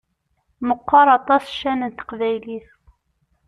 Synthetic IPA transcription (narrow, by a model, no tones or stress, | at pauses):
məqːɑɾˤɑt̪ˤɑsʃːænənt̪ə̥qvæjliθ